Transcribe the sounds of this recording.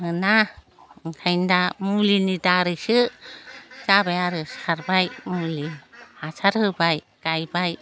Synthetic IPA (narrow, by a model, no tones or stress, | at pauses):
hɯna | ŋkʰajndamulinidaɾɯsɯ | zabajaɾɯsʰaɾbajmuliasaɾhɯbaj | kajbaj